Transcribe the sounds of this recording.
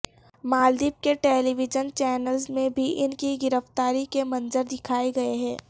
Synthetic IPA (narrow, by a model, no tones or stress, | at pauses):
maːld̪iːp̚keʈeːliʋɪd͡ʒənt͡ʃɛːnəlzmẽbʱiʔɪnkiɡɪɾəft̪aːɾikemɐ̃nzəɾd̪ɪkʰaːeɡɐeɦɛ̃ː